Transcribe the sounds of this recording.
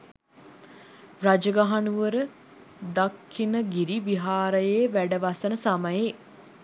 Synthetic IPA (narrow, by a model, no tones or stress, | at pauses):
rad͡ʒəɡaɦanuʋəɾə | d̪akʰːinəɡiɾiʋiɦaːɾəjejʋæɖəʋasənəsaməje